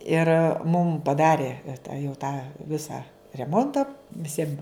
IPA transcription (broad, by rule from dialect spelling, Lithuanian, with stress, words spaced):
ɪr mʊm pɐˈdɑːrʲɪ tɐ jɛʊ tɑː ˈʋʲɪsɑː rʲɛˈmoːntɐ ʋʲɪˈsʲiɛm